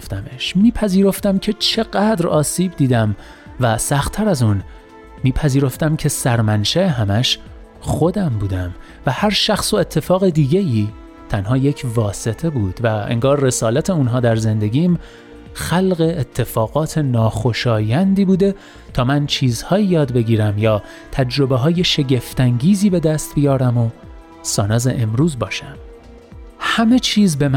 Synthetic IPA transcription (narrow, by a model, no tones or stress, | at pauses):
ft̪æmeʃmiːpʰæziːɾo̞ft̪æmcʰe̞t͡ʃʰe̞ɣæd̪ɾɒːsiːbd̪iːd̪æm | væsæxt̪ʰːæɾæzun | miːpʰæziːɾo̞ft̪æmcʰe̞sæɾmænʃæe̞ɦæmæʃ | xo̞d̪æmbuːd̪æm | væhæɾʃæxso̞e̞t̪ʰːe̞fɒːɣed̪iːɟejiː | t̪ʰænhɒːje̞cʰvɒːse̞t̪ʰe̞buːd̪̥væḛŋɡɒːrːe̞sɒːlæt̪ʰe̞unɦɒːd̪æɾze̞nd̪e̞ɟiːm | xælɣeːt̪ʰːe̞fɒːɣ̥ɒːt̪ʰe̞nɒːxo̞ʃɒːjænd̪iːbuːd̪e̞ | t̪ʰɒːmænt͡ʃʰiːzhɒːjijɒːd̪be̞ɡiːɾæmjɒː | t̪ʰæd͡ʒɾo̞beɦɒːje̞ʃe̞ɟe̞ft̪æŋɟiːziːbe̞d̪æst̪̚bijɒːɾæmo | sɒːnɒːzḛʔemɾuːzbɒːʃæm | hæme̞t͡ʃʰiːzbe̞m